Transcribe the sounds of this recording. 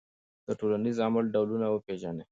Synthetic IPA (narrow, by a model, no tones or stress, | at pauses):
d̪̥əʈolanizamalɖawlunawəpeʒane